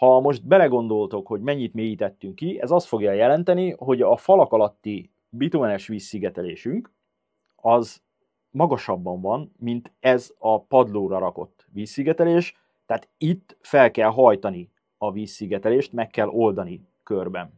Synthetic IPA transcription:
hɒmo̞ʒt̪̚bɛlɛɡo̞n̪d̪o̞lt̪o̞kho̞ɟmɛɲːit̪meːjit̪ɛt̪ːyŋkːiɛzɒst̪fo̞ɡjɒjɛlɛnt̪ɛniɦo̞ɟɒfɒlɒkɒlɒt̪ːi | bit̪uɛnɛʃʋiːsːiɡɛt̪ɛleːʃyŋk | ɒz | mɒɡɒʃɒbːɒɱvɒnmint̪ɛzɒpɒd̪loːɾɒɾɒko̞̰t̪ːʋiːsːiɡɛt̪ɛleːʃ | t̪ːɛːt̪it̪ːfɛlkɛlɦɒjt̪ɒni | ɒviːsːiɡɛt̪ɛleːʃt̪mɛkːɛlʔo̞ld̪ɒni | kørbɛn

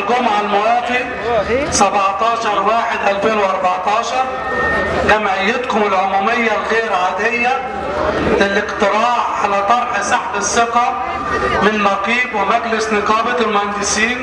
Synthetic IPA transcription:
lɡʊmʕalmʊwɑːt̪ˤi | sabʕt̪ɑːʃɑɾˤwaːħɪd̪ʔalfeːnwʔɑɾˤbɑʕt̪ɑːʃɑɾˤ | kamajɪt̪qʊmɪlʕʊmuːmɪjːalɣeːɾʕaːd̪ɪjːa | lɪlɪqt̪ɪɾɑːʕʕalat̪ˤɑɾˤħsaħlɪsːɪqa | mɪnmɑqiːbwɪmaɡlɪsnɪqɑːbɑlmanɡɪsiːn

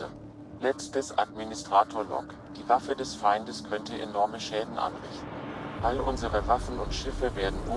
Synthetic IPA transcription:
lɛt͡stəsʔa̰dministʁ̥aːtʰoːɐlɔ̰k | d̥iːvafədɛsfaɪndəskʰœntəʔḛnɔɐməʃɛːdn̩ʔa̰nʁɪ̰çtn̩ʔalʔʊnzəʁəvafn̩ʊntʃɪfəveːɐdn̩ʔʊ

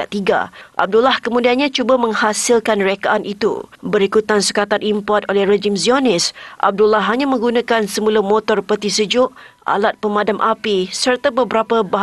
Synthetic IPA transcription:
at̪iɡa̰ʔa̰b̚dulahkəmudianɲãt͡ʃubamə̃ŋhasilkanrekaʔanʔit̪ṵbəɾikut̪ansə̥kat̪anʔimpɔrt̪̚olɛhred͡ʒɪmzionɪsʔa̰b̚dulahɦaɲãmə̃ŋɡunãkansəmulamɔt̪ɔrpərt̪isəd͡ʒʊʔʔa̰lat̪̚pəmãdamʔapisərt̪abəbəɾapəba

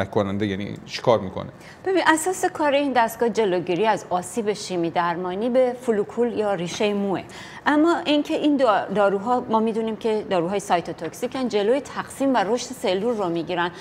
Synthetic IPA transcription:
ækkʰːonænd̪ejænḭʃi̥kʰɒːɾmiːkʰo̰ne | b̥e̞binʔæsɒːse̞kʰɒːɾeiːnd̪æst̪ɡ̥ɒːhd͡ʒe̞loɟiɾiːæzɒːsiːbe̞ʃiːmiːd̪æɾmɒːniːbe̞fulukʰuːljɒːɾiːʃe̞jemue | ʔæmːɒːʔincʰe̞ʔind̪d̪ɒːɾuːɦɒːmɒːmiːd̪uniːmcʰe̞d̪ɒːɾuːɦɒːjesɒjt̪ʰot̪ʰoksicʰænd͡ʒe̞lojet̪ʰæɡsiːmvæɾo̞ʃt̪ese̞lːuːɾːomiːɟiːɾæn

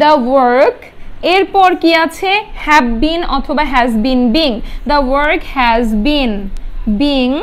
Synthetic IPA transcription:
d̪əwəɾk | eɾpɔɾkiat͡ɕʰehɛbbinɔt̪ʰobaɦɛzbinbiŋd̪əwəɾkhɛzbinbiŋ

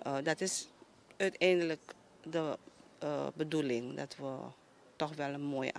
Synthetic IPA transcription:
ədɑtɪs | œtɛjndələk | də | bədulɪŋdɑ̰tʋə | tɔxʋɛlˠənmoːj̰

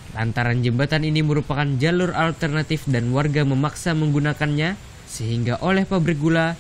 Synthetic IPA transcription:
la̰nt̪aɾand͡ʒəmbat̪aniniməɾupakand͡ʒalʊralt̪ərnat̪ɪfdanwarɡaməmaksaməŋɡunakanɲa | səɦiŋɡaʔolɛhpabɾik̚ɡula

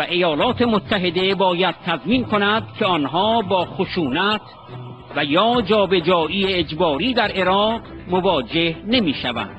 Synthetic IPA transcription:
væʔe̞jɒːlɒːt̪ʰe̞mot̪ʰːæɦe̞d̪e̞bɒːjæd̪̥̚t̪ʰæzmiːnkʰonæd̪kʲʰeɒːnɦɒːbɒːxoʃuːnæt̪ʰ | væjɒːd͡ʒɒːbe̞d͡ʒɒːʔiːeːd͡ʒbɒːɾiːd̪æɾʔe̞ɾɒːʁmovɒːd͡ʒe̞hne̞miːʃævæ̰nd̪̥

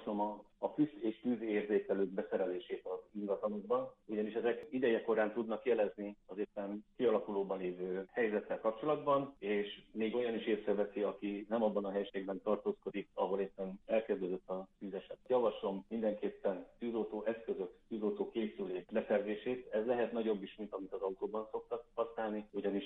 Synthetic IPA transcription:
ʃlomɒː | fyseːʃt̪yzeːrzeːkɛløːɡ̚bɛsɛɾɛleːʃeːt̪ɒziŋɡɒt̪ɒnoɡ̚bɒnuɟɒniʃɛzɛkid̪ɛjɛko̞ɾaːnt̪ud̪nɒkjɛlɛzniɒzeːpːɛnkiɒlɒkuloːbɒnleːvøːhɛjzɛt̪ːɛlkɒp̚t͡ʃo̞lɒd̪bɒneːʃmeːɡo̞jɒniʃeːsɾɛvɛsiɒkinɛmɒbːɒnɒɦɛjʃeɡ̚bɛnt̪ɒrt̪oːsko̞d̪ikɒɦo̞leːpːɛnɛlkɛzd̪øzøt̪ːɒzyzɛʃɛt̪jɒvɒʃlo̞mːind̪ɛŋkeːpːɛnt̪yːzolt̪oːʔɛskø̞zø̞kt̪yːzoːt̪oːkeːsyleːkbɛsɛrzeːʃeːt̪ɛzlɛɦɛt̪nɒɟo̞bːiʃmint̪ɒmit̪ɒzɒut̪oːbɒnso̞k̚t̪ɒkhɒsnaːlniuɟɒniʃ

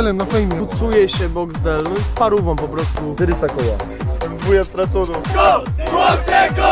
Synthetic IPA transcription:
lɛmnafɛjmʲɛt̪sujɛɕɛbɔɡzd̪ɛlnspaɾuvɔ̃w̃pɔpɾɔst̪ut̪ɛɾisakɔja | ujast̪ɾat̪t̪uɾu | wɔɛ

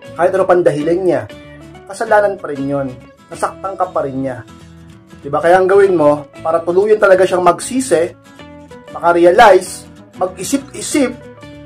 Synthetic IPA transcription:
kaːhɪt̪ɾopɐnd̪ɐɦɪlɐnɲakɐsɐlaːnɐnpɐɾɪnjon | sɐsɐk̚t̪aŋkɐpɐɾɪnɲa | d̪ɪbakɐjaʔɐŋɡɐwɪnmo̞paːɾɐt̪ʊluːjɐnt̪ɐlɐɡaʃaŋmɐɡsiːsɛ | mɐkaɾɛɐlajs | mɐɡ̚ʔɪsɪp̚ʔɪsɪp̚

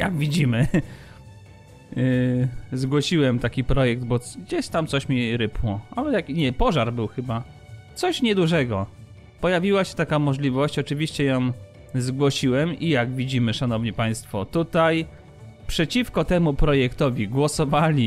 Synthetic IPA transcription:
ja̰ɡvʲid͡ʑimɘ | zɡwɔɕiwɛmt̪akʲipɾɔjɛɡ̚d̪bɔɡd͡ʑeɕt̪amt̪sɔɕmʲiɾɘpwɔʔalɛjakiɲɛpɔʐaɾbɘwxɘba | t̪sɔɕɲɛd̪uʐɛɡɔ | pɔjavʲiwaɕɛ̥t̪akamɔʐlʲivɔɕt͡ɕɔt͡ʂɘvʲiɕt͡ɕɛjɔ̃m | zɡwɔɕiwɛmijaɡvʲid͡ʑimɘʂanɔvɲipaj̃st̪fɔt̪ut̪aj | pʂɛt͡ɕifkɔt̪ɛmupɾɔjɛkt̪ɔvʲiɡwɔsɔvalʲi

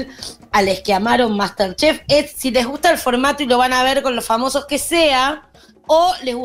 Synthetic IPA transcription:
l | aleskeamaɾo̞mmast̪eɾt͡ʃefesːile̞ɦɣust̪aelfo̞ɾmat̪oilo̞β̞anaβe̞ɾko̞nlosfamo̞so̞skesea | oleɣu

